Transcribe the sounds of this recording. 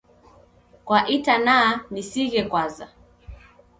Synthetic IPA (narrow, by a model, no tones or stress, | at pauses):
kwaʔitanaːnisiɣɛkwaza